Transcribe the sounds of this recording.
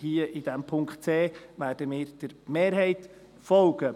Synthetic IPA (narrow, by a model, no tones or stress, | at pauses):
hiəʔid̥̪ɛmpʰʊŋkχtt͡seːʋæːɾdəmɪːɾd̥əɾmeːɾɦɛɪt̪ | fɔlɡ̥ə